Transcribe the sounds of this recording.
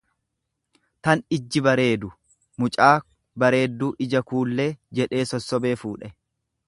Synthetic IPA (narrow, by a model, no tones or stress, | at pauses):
t̪ɐnɪd͡ʒːɪbɐɾe̞ːd̪ʊ | mʊt͡ʃʼaː | bɐɾe̞ːd̪ːuːʔɪd͡ʒɐkuːlːe̞ːd͡ʒɛᶑe̞ːsɔsːɔbe̞ːfuːᶑɛ